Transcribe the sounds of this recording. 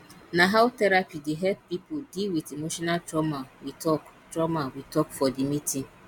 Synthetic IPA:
naɦaʊtɛɾapideɦɛlp̚pipodilwitemoʃɔnaltɾɔmawitɔk | dɾɔmawitɔkfɔdɪmitĩŋ

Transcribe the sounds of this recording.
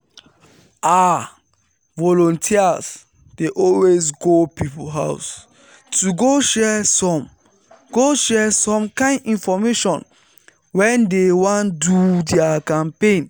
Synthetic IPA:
a | vɔlɔ̃ntʰias | deʔɔlwesɡopipulɦaʊs | tuɡoʃɛsɔ̃m | ɡ̥oʃɛsɔ̃mkãɪ̃ndĩnfɔmeʃɔ̰̃n | wɛ̃ndewɔ̃ndudɛakãmpẽn

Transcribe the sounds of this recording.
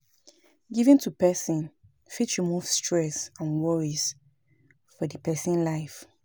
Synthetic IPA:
ɡivĩntʰupɛsĩn | fitʃumuv̥stɹɛsãnwɔɹiz̥ | fɔdəpʰɛsĩnlaɪf

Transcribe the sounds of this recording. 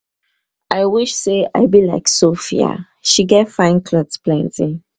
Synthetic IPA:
ʔaɪwiʃsea̰ɪbilaɪksofia̰ | ʃiɡɛtfãɪ̃nkʰlɔdsplɛ̃ntĩŋ

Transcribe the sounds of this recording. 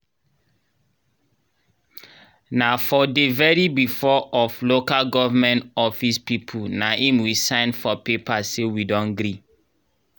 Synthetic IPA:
nafɔdevɛɾibifɔɔflokalɡɔvamɛ̃ntɔfispipʰunaʔĩmwisãɪ̃nfɔpepasewidɔ̃nɡɾi

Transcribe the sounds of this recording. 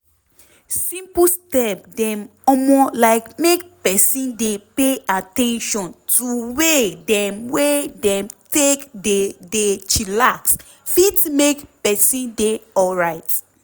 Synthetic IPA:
sĩmpustɛp̚dɛ̃mɔmɔlaɪkmekpɛsĩndepeatɛ̃nʃɔ̃ntuwedɛ̃mwedɛ̃mtekdedet͡ʃilaks | fitmekpɛsĩndeɔlɹaɪt

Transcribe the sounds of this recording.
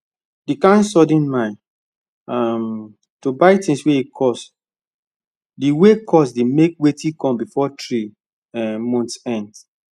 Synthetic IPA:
dikãnsɔdĩnmãn | am | tobaɪtĩnsweikʰɔs | diwekʰɔsdemek̚wetikɔ̃mbifɔtɹi | mɔ̃ntsɛ̃nd

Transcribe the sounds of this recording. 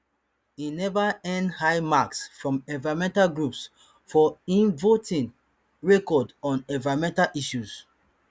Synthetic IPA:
inɛvaɛ̃ndhaɪmaksfɹɔ̃mɛ̃vaɹɔmɛ̃ntalɡɹups | fɔĩnvotĩn | ɹɛkɔdɔ̃nɛ̃vaɔmɛ̃ntalʔiʃuz̥

